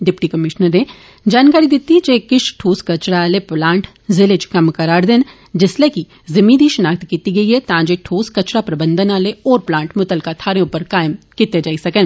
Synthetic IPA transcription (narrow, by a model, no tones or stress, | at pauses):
ɖɪpʈikɐmɪʃnəɾẽ | d͡ʒaːnkaːɾid̪ɪt̪ːid͡ʒekɪʃʈʰoːskɐt͡ʃɽaaːleplãːɳʈ | zɪlet͡ʃkɐmkɐɾaːɾd̪en | d͡ʒɪsleki | zɐmĩːd̪ʱiʃɐnaːk̚t̪kiːt̪iɡɐiet̪ãːd͡ʒeʈʰoːskɐt͡ʃɾapɾɐbə̃nd̪ʱənaːleɔːɾplãːɳʈmʊt̪əlkat̪ʰaːɾẽʊpəɾkaːɪmkit̪ed͡ʒaːisɐkən